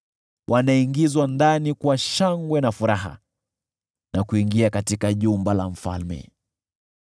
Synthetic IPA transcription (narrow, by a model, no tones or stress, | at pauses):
wʔanaiŋɡizwandanikwaʃaŋɡwɛnafuɾaɦa̰ | nakuiŋɡiakatikaʄumbalaɱ̩fa̰lmɛ̰